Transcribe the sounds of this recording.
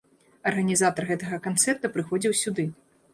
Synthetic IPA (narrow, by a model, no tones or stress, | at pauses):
ɐrɣɐnʲizat̪ɐrɣɛt̪ɐɣɐkant̪sɛrt̪ɐpɾɨxɔd͡zʲiwsʲud̪ɨ